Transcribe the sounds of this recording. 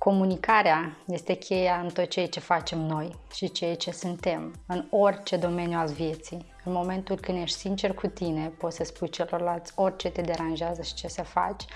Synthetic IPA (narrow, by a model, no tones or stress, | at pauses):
ko̞munikaɾeaje̞st̪e̞kʲʰe̞jaɨnt̪o̞t̪t͡ʃejt͡ʃe̞fat͡ʃe̞mno̞jʃit͡ʃet͡ʃe̞sɨnt̪e̞mɨno̞rʲt͡ʃe̞d̪o̞me̞njualvje̞t̪si | ɨnmo̞me̞nt̪ulkɨnd̪je̞ʃt̪ʲsint͡ʃe̞rkʰut̪ine̞po̞t̪səspujt͡ʃe̞lo̞rlalt̪sʲo̞rʲt͡ʃe̞t̪e̞d̪e̞ɾanʒeazəʃi̥t͡ʃe̞sefa̰t͡ʃʲ